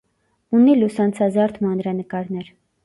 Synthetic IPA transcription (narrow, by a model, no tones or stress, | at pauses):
unːilusɑnt͡sʰɑzɑɾt̪ʰmɑnɾɑnəkɑɾnɛɾ